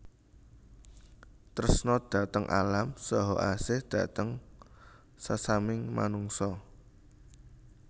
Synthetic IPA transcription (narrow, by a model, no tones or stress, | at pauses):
t̪əɾəsnɔd̥ä̤t̪əŋʔa̰lamsɔɦɔʔasɪhd̪̥ä̤t̪əŋ | sasamɪŋma̰nuŋsɔ